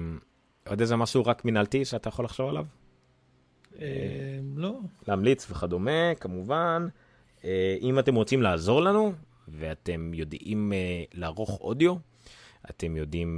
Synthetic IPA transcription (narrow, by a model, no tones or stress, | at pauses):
ʔod̪ezemaʃuʁakminaltiʃeat̪ajaχo̞laχʃovalav | eloleamlit͡sveχad̪o̞me̞kamuvan | eʔimate̞mʁot͡simlaːzo̞ʁlanu | veat̪e̞mjo̞d̪imleaʁo̞χo̞̰dijo̞ | ʔa̰te̞mjo̞dim